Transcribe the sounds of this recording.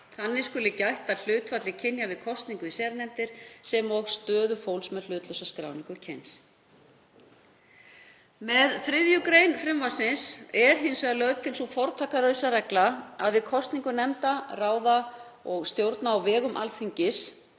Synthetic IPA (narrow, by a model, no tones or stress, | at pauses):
θanːɪskʏlɪcajht̪aðl̥ʏːt̪fat̪lɪcʰɪnjavɪðkʰɔst̪niŋkʏisɛːɾnɛmt̪ɪɾ̥sɛmɔfst̪œːðʏfowlsmɛðl̥ʏːt̪lœsaskɾa̰ːwniŋkʏcʰɛjns | mɛðθɾɪðjʏkɾejnfɾɪmvasɪnsɛɾ̥ɦɪnsvɛðalœðt̪ʰɪlsɔfɔɾt̪ʰaːkaɾœɥsaɾɛklaaðvɪðkʰɔst̪niŋkʏnɛmt̪araːwða | ɔɣst̪jowɾt̪naːwvɛːɣʏmʔa̰lθiɲcɪs